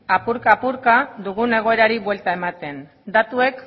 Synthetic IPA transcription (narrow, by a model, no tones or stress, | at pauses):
apuɾkaːpuɾkaðuɣ̞une̞ɣ̞o̞e̞ɾaɾiβwe̞lt̪ae̞mat̪e̞n | d̪at̪ue̞k